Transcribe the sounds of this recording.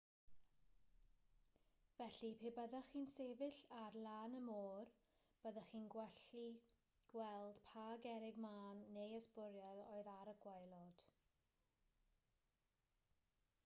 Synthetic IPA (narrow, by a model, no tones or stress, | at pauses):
vɛɬipʰeːbəðaχiːnseːvɪɬarlˠaːnəmoːr | b̥əðaχiːnɡwɛɬi | ɡ̥wɛlˠd̥pʰaɡɛɾɪɡmaːnːejəspʊɾjaloːɨðaɾəɡ̥wajlˠɔd̥